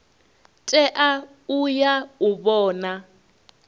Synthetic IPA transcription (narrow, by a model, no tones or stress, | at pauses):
tʼɛʔa | ujauβɔːna